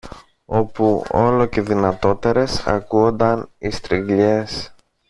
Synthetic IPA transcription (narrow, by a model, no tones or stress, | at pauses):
o̞puo̞lo̞ce̞ðinɐt̪o̞t̪e̞ɾe̞sɐ̰kuo̞nd̪ɐnist̪ɾiŋɡʎe̞s